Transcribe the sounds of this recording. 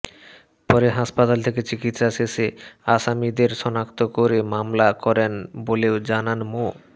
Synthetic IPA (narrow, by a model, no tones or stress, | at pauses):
pɔɾeɦaʃpat̪alt̪ʰeket͡ɕikit̪ʃaseseaʃamid̪eɾʃɔnakt̪okoɾemamlakɔɾenboleod͡ʑananmo